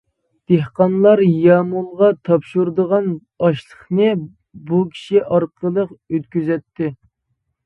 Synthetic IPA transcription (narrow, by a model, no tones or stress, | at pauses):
d̪̥eɦqɑnlˠɑɾjɑmulˠʁɑt̪ʰɑpʃuɾd̪əʁɑn | ɑʃlˠəχnɨ | bukʲʰi̥ʃiʔɑɾqʰəlˠəqøt̪̚kʲyzɛt̪ʰːɪ